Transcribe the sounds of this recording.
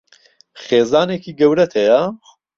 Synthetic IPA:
χeːzaːneːkʰiːɡɐwɾɐt̪ʰɐja

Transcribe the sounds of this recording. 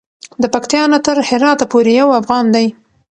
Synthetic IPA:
d̪əpakt̪jɑnat̪əɾhɪɾɑt̪apoɾejawafɣɑnd̪aj

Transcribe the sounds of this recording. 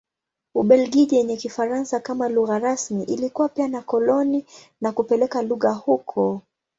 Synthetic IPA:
uɓɛlɡiʄijɛɲɛkifaɾansakamaluɣaɾasmiʔilikuwapianakɔlɔni | nakupɛlɛkaluɣahukʰɔ

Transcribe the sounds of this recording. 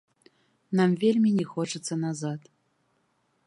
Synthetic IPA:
namvʲelʲmʲinʲɛxɔt͡ʂɨt̪sːɐnazat̪

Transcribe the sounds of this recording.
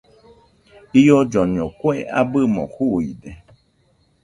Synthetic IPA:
ijɔd͡ʒɔɲɔ̃kwea̰bɨmɔ̰huid̪e

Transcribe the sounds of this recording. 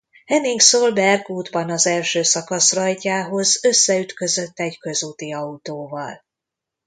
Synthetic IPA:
hɛniŋksoːlbɛrɡuːd̪bɒnɒzɛlʃøːsɒkɒsrɒjcaːɦo̞zø̞sːɛyt̪kø̞zø̞t̪ːɛɟkø̞zut̪iɒut̪oːvɒl

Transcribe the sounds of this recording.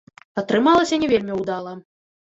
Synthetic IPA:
ɐt̪ɾɨmalˠɐsʲɐnʲɛvʲelʲmʲiwd̪alˠɐ

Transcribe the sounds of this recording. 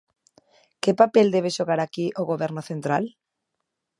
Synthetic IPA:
kepapeld̪eβ̞eʃoɣaɾakiʔoɣoβɛɾnoθent̪ɾal

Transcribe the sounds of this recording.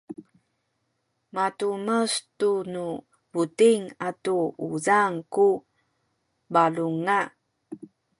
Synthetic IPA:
matuməstunu | butiŋatuuzaŋku | baluŋa

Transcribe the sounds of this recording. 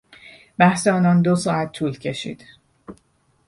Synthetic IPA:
bæhseɒːnɒːnd̪osɒːæt̪ʰːuːlcʰe̞ʃḭːd̪̥

